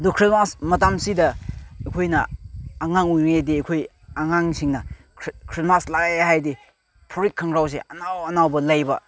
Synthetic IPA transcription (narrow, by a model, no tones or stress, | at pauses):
ɐdukʰɾismasmɐtamsidɐɐjkʰojnɐːŋaŋujŋediɐkʰoj | aŋaŋsiŋnɐ | kʰɾismaslaɡajaɦajdi | pʰuɾikʰːɐŋɡɾaws̬ḛɐnawɐnawbɐlɐjbɐ